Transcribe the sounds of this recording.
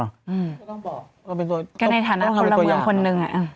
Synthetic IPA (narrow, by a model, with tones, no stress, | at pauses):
ʔɯː˧˩ɔ˥˩ŋː˨˩ | ɾa˧pe˧nt̪ka˧˩na˧jt̪ʰaː˨˦naː˧˥kʰa˧lːa˧ŋkʰo˧nːɯ˨˧ŋʔa˨˩ʔɯː˧˩m